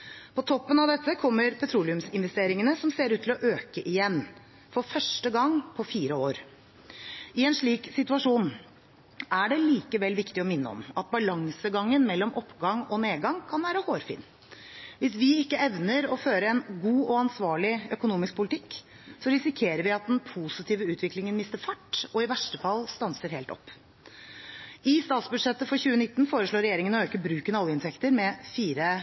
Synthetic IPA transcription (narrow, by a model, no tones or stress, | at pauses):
pʰɔt̪ʰɔpːənɑʋd̪ɛt̪ːəkʰɔmːəɾpʰɛt̪ʰɾuːlɪʉmsɪnʋɛst̪eːɾɪŋənəsɔmseːɾʉːt̪ʰɪlɔʔøːkəʔɪjɛnː | fɔɾfœʂʈəɡɑŋːpʰɔfiːɾəoːɾ | ɪɛnʂɭiːksɪt̪ʉɑʂuːn | æɖɛliːkəʋɛlʋɪkt̪ɪɔmɪnːə̰ɔ̰mɑt̪̚bɑlɑŋsəɡɑŋːənmɛlːɔmʔɔpːɡɑŋɔneːɡɑŋkʰɑnʋæːɾəhoːɾfɪ̰ːnː | ʋɪsʋɪɪkːəɛʋnəɾɔføːɾəɛnɡuːɔɑnsʋɑːɭɪœkʊnuːmɪsk̚pʰʊlɪt̪ʰɪkː | sɔɾɪsɪkʰeːɾəɾʋɪɑt̪̚d̪ɛnpʰusɪt̪ʰiːʋəʉːt̪ʰʋɪklɪŋənmɪst̪əɾfɑʈːɔɪʋæʂʈəfɑlːst̪ɑnsəɾheːlt̪ɔ̰pː | ɪst̪ɑːt̪sbʉd̪ʂɛt̪ːəfɔɾçʉːənɪt̪ːn̩foːɾəʂɭoːɾɛjeːɾɪŋənɔøːkəbɾʉːkənɑljəɪnt̪ʰɛkt̪əɾmɛfiːɾə